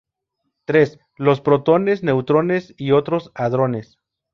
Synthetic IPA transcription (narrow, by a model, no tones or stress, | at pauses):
t̪ɾe̞s | lo̞spɾo̞t̪o̞ne̞sne̞wt̪ɾo̞ne̞sio̞t̪ɾo̞saðɾo̞ne̞s